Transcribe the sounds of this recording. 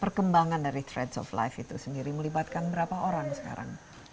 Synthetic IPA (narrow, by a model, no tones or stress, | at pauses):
pərkəmbaŋandaɾit̪ɾɛdsɔ̰fla̰jfit̪usəndiɾiməlibat̪̚kanbəɾapaʔoɾaŋsə̥ka̰ɾa̰ŋ